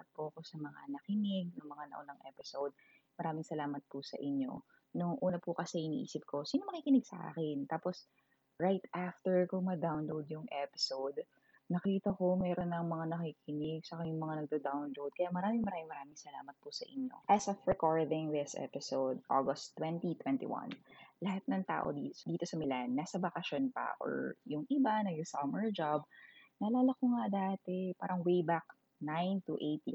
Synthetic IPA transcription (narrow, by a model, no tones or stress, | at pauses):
ɐt̪̚pʊɐko̞sɐmɐŋa̰nɐkɪnɪɡ̚nɐŋmɐŋanɐ̰ʔʊnɐŋʔɛpɪsowd̪̚ | mɐɾaːmɪŋsɐlaːmɐt̪̚pʊsɐ̰ʔɪɲːo̞̰ | nʊŋʔuːnɐpʊkɐsɛʔɪnḭːʔḭːsɪp̚ko̞siːnomɐkiːkɪnɪɡ̚sɐ̰ʔa̰ːkɪnt̪aːpos | ɹajt̪ʔaft̪ɛɹkʊŋmɐd̪awnlowd̪jʊŋʔɛpɪ̥sowd̪ | nɐkiːt̪ɐko̞mɛːɾonːɐŋmɐŋanɐkiːkɪnɪɡ̚sɐkɐmɪŋmɐŋanɐɡ̚d̪ɐd̪awnlowd̪̚kɐjamɐɾaːmɪŋmɐɾaːmɪŋmɐɾaːmɪŋsɐla̰ːmɐt̪̚pʊsɐʔɪ̰ɲːo̰ʔɐsofɹɛkoɹd̪ɪŋðɪsʔɛ̰pɪsowd̪̚ʔo̰ɡɐst̪ːwɛnt̪it̪wɛnt̪ḭwɐ̰nlɐhat̪̚nɐŋt̪a̰ːʔo̰d̪id̪iːt̪osɐmɪlanːaːsɐbɐkɐʃonpɐ̰ʔo̰ɹjʊŋʔɪbanɐjʊŋsɐmɛɹd͡ʒab̚nɐlaːlɐkoŋad̪aːt̪ɛpa̰ːɾɐŋwejbak̚ | najnt̪uʔejt̪